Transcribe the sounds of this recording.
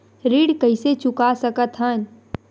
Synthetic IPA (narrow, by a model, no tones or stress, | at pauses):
ɾiːɖkəɪset͡ʃʊkasəkət̪ɦən